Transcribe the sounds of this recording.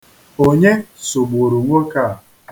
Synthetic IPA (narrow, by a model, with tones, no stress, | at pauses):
o˦ɲe˦so˨ɡ͡bo˨ɾu˨ŋʷo˦ka˦˨